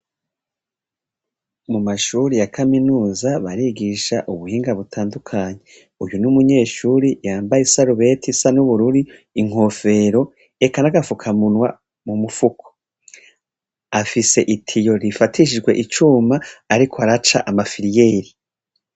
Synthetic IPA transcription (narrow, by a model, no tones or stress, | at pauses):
mumaʃuɾijakʰaminuːzaβaɾiɡiʃaʔuβuhiːŋɡaβutʰaːndukʰaːɲe̞ | ujunumuɲe̞ːʃuːɾijaːmbajesaɾuβe̞tʰisanuβuɾuɾiiŋ̥ho̞fe̞ɾo̞ | ekanaɡafukʰamunwa | mumufukʰo̥ | afise̞ʔitʰijo̞ɾifatʰiʃ̬id͡ʒɡwe̞ʔit͡ʃumaːɾikʰoaɾat͡ʃa̰ʔamafiɾijeːɾi